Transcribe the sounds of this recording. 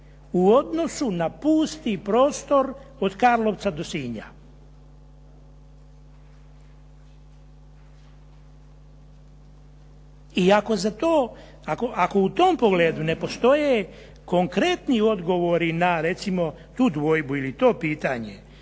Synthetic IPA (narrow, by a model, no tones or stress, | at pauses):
uo̞d̪no̞sunapuːst̪ipɾo̞ːst̪o̞ɾod̪kaɾlˠo̞ʋt̪sad̪o̞siːɲa̰ | iako̞zat̪oː | akoʔako̞ut̪o̞mpoɡleːd̪une̞po̞st̪o̞je | ko̞ŋkɾe̞t̪nio̞d̪ɡo̞ʋo̞ɾinaɾet̪simo̞ | t̪uːd̪ʋo̞jbuilit̪o̞ːpiːt̪aɲe